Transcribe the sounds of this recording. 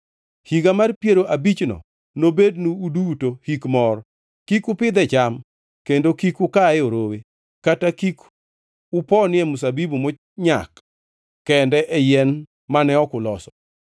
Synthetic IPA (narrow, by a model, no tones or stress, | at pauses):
hiɡamarpjeɾoʔabit͡ʃnɔ̰ | nobednuudutohikmɔr | kikʊpɪd̪ɛt͡ʃam | kendokikʊkaɛoɾowe | katakik | ʊpɔnɪɛmʊs̬abibumo | ɲa̰kː | ɛndɛʔɛjɛn | manɛɔkʊlɔsɔ̥